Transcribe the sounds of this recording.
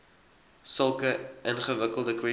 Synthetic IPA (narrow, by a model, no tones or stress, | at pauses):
səlˠkəʔənχəvəkəlˠdəkwɛ